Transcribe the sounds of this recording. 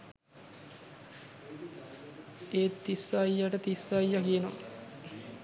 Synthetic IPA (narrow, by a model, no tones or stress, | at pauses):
eːt̪ːisajːaʈət̪isajːakijenoŋ